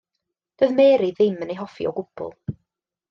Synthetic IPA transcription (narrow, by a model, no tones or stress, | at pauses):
d̥oːðmeːɾiðɪmənejɦɔfḭɔ̰ɡʊb̥ʊ̰lˠ